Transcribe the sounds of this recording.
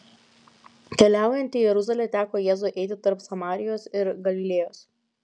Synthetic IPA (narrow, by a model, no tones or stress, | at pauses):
kʲɛlʲæˑʊjɛnʲt̪ʲɪjɛɾʊzɐlʲet̪ʲæːkoːjɛːzoːʔɛɪt̪ʲɪt̪ɐɾpsɐmɑːɾʲɪjoːsɪɾɡɐlʲɪlʲeːjoːs